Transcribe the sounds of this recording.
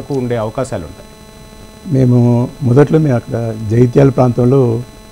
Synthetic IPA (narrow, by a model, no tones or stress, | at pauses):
ɐkuuɳɖe̞ːɐʋɐkaːʃaːluɳʈa̰ːji | me̞ːmumɔd̪ɐʈlumeːmɐkːɐɽɐd͡ʒɐjt̪̬jaːlɐpɾaːnt̪ɐmloː